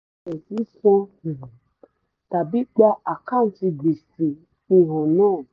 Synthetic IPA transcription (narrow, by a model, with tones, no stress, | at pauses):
ɛ˨si˨˦sɔ̃˦˨ | ta˨bi˦k͡pa˦ʔa˨ka˦˨n̩˨˦ti˧ɡ͡bi˨si˨ | i˦ɦɔ̃˨nɔ̃˦˨